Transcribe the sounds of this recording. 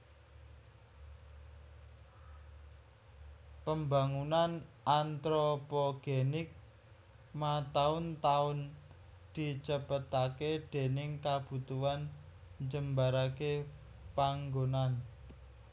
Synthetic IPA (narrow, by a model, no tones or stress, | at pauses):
pəmbaŋunanʔant̪ɾopɔɡ̥enɪk̚ | mat̪aʊnt̪aʊn | d̪̥i̤t͡ʃəpət̪aked̪̥e̤nɪŋkab̥ṳt̪uanɲd͡ʒəmbaɾake | paŋɡonan